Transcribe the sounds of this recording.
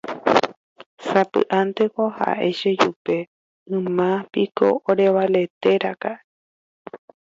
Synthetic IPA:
sapɨ̰ʔãnt̪e̞koha̰ʔe̞̰ʃed͡ʒupe̞ | ɨ̃mãpiko̰oɾe̞βale̞t̪eɾakaʔ

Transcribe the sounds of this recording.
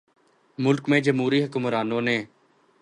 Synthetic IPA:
mʊlkmẽːd͡ʒəmuːɾiːɦəkʊmɾaːnõːnẽː

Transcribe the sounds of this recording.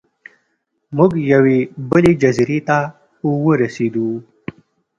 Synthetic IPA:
mʊɡjawebəled͡ʒɐzɾet̪a | uwəɾased̪u

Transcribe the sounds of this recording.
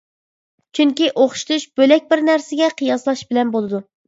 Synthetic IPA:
t͡ʃʰyŋkʲiʔoχʃt̪uʃb̥ølɛk̚ʲbɪɾnæɾsɪɡʲɛqʰijɑslˠɑʃbɪlɛnbolˠɨd̪u

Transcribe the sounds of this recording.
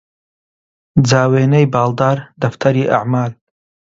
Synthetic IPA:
d͡zaːweːnɐjbɑːlˠd̪aːɾd̪ɐft̪ʰɐɾiːʔa̰ʕmaːl

